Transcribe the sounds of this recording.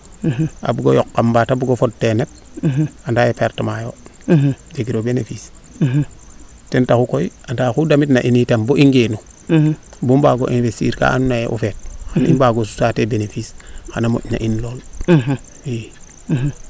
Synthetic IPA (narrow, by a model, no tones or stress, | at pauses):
ʔa̰bɡojokːambatabɡofod̚tenet̚ | andajepeɾtamajo | d͡ʒeɡiɾobenefis | tentaxukoiandaxudamitna̰ʔinitamboʔiŋɡenu | bumbaɡo̰ʔinvestḭːɾka̰anunajeʔṵfet̚xanḭmbaɡosu̥satebenefisxanamo̰ʔna̰ʔinloːl | we